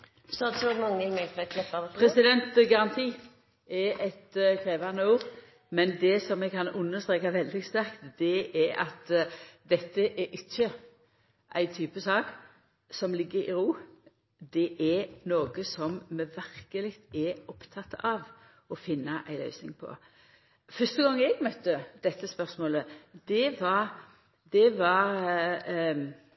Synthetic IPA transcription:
sɔd̪sɔmɑŋːəɪlmɛlɛkʰlɛpːɑəpʰɾɛsɪd̪ɛnt̪ɡɑɾɑnt̪ʰiː | ɛɾɛt̪kʰɾeːʋɑnəuːɾ | mɛnd̪ɛsɔmːɛɡ̚kɑnʊnːəst̪ɾeːkɑʋɛld̪ɪst̪æɾkt̪d̪ɛʔɛɾɑ̰t̪d̪ɛt̪ːəʔɛɾʔɪçːə | ʔæ̰ɪt̪ʰyːpəsɑːk | sɔmlɪɡːəɾɪ̰ɾuː | d̪ɛʔɛɾnoːɡəsɔmmɛʋæɾkəlɪɡt̪ɛɔpt̪ʰɑt̪ːəʔɑʋ | ɔfɪnːɑʔæɪlœ̰ʏsnɪ̰ŋpʰɔ̰ | fœst̪əɡɑŋːɛɡmœt̪ːəd̪̥ɛt̪ːəspœʁsmoːləd̪ɛʋɑɾ | d̪̥ɛʋɑɾ

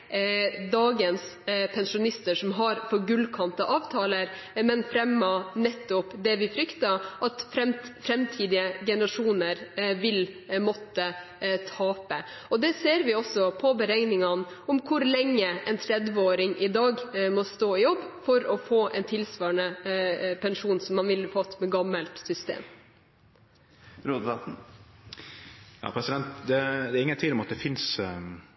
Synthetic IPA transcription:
d̪ɑːɡənspʰɛnʂʊnɪst̪əʂɔmɦɑɾfɔɾɡʉlkʰɑnt̪əʔɑːʋt̪ʰɑːləɾmɛnfɾɛmːɑnɛt̪ːʊpd̪ɛʋɪfɾʏkt̪ɑʔɑt̪fɾɛfɾɛmt̪ʰiːd̪ɪəɡɛnəɾɑʂuːnəɾʋɪl | mɔt̪ːə | t̪ʰɑːpə | ɔd̪ɛseːɾʋɪɔsɔpʰɔbəɾɛŋnɪŋɑn | ɔmkʰʊɾlɛŋːəʔɛnt̪ʰɾɛd̪ʋəoːɾɪŋʔɪd̪ɑːɡmɔst̪oːɪjɔbːfɔɾɔfoːʔɛnt̪ʰɪlsʋɑːɳəpʰɛnʂuːnsɔmːɑnʋɪlfɑt̪ːmɛɡɑmːəlt̪sʏst̪ḛːm | ɾod̪ɑ | jɑ̰ːpʰɾɛsɪd̪ɛnt̪d̪ɛd̪ɛɾɪŋːənt̪ʰɪlɔmɑt̪̚d̪ɛfɪns

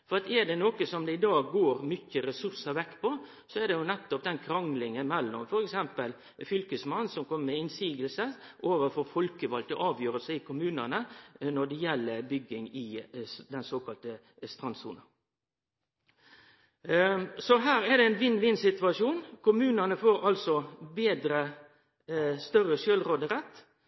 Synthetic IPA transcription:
fɔɾɑt̪ɛɖ̪ɛnoːkəsɔmd̪ɛɪd̪ɑːɡːoːɾmʏçəɾɛsʉɾsəʋɛkːpʰɔ | sɔɛd̪ɛjʊnɛt̪ːɔp̚d̪ɛnkʰɾɑŋlɪŋənmɛlːɔ̰mfɔɾɛksɛmpəl | fʏlkəsmɑnːsɔmkʰɔmːəmɛɪnsiːɡəlsə | ʔoːʋəɾfɔfɔlkəʋɑlt̪ɔʔɑːʋjøːɾəlsəɪkʰʊmʉːnənənɔɖɛjɛlːəbʏɡɪŋɪd̪ɛnsoːkɑlt̪ə | st̪ʁɑnsṵːnɑ | sɔɦæːɾæd̪ɛɛnʋɪnʋɪnsɪt̪ʋɑʂuːnkʰʊmʉːnɑnəfoːɾɑlsɔbeːd̪ɾə | st̪œrəʃøːlɾoːd̪əɾɛt̪ː

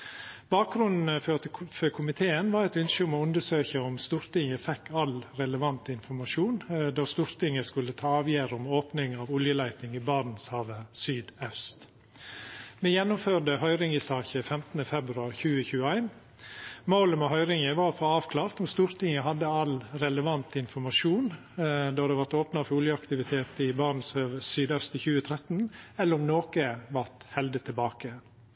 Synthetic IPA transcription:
b̥ɑːk̚ɡɾʉnn̩əføt̪føkʰʊmɪt̪ʰeːənʋɑːɾɛɪt̪ʏnʃəʊmɔʉnd̪əʂøːçəɔmst̪uːɾt̪ɪŋəfɛkːɑlɾɛləʋɑnt̪ɪnfɔɾmɑʂuːnd̪ɑːst̪uːɾt̪ɪŋːəskʉlːət̪ʰɑːɑːʋjæːɾʊmoːpnɪŋɑːʋʊljəlæɪt̪ɪŋiːbɑɾn̩shɑːʋəsyːd̪œst̪ | mɛjɛnːʊmføːɖəhœʏɾɪŋɪsɑːçəfɛmt̪ənəfɛbɾʉɑɾçʉːəçʉːəæɪn | moːləmɛɦœʏɾɪŋəʋɑːɾfɔɑːʋkʰlɑːɾt̪ɔmst̪uːɾt̪ʰɪŋəɦɑd̪ːəɑlɾɛləʋɑnt̪ɪnfɔɾmɑʂuːn | d̪ɔd̪ɛʋɑɾt̪oːpnɑfɔɾʊljəɑkt̪ɪʋɪt̪ʰeːt̪ɪbɑɾn̩shɑːʋəsyːd̪œst̪ɪçʉːət̪ʰɾɛt̪n̩ɛlːəɾɔmnoːkəʋɑɾt̪hɛld̪ət̪ʰɪlbɑːkə

